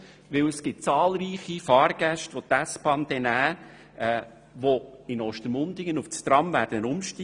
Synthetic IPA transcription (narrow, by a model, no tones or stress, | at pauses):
ʋɪwəsɡ̥ɪt̚t͡sɑːlɾiːχifɑːɾɡ̥æʃtʋot̪æspɑnd̥̪ɛnæː | ɛ | ʋoɪnɔʃtəɾmʊnd̪ɪɡənuft͡st̪ɾɑmvæːɾd̥ənənʊmʃti